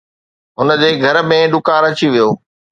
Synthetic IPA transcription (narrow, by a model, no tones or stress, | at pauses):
ɦʊnə̆d͡ʑeːɡʱɐɾ̆mẽɗʊkaːɾɐt͡ɕiʋijoː